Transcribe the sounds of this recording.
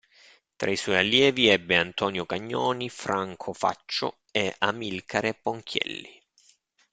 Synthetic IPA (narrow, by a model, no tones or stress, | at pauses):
t̪ɾaiswɔːjalːjɛːviɛbːeant̪ɔːnjokaɲːɔːnifɾaŋkʰofa̰t͡ʃːʊ̰ | eamilkʰaɾepoŋkʰjɛ̰lːi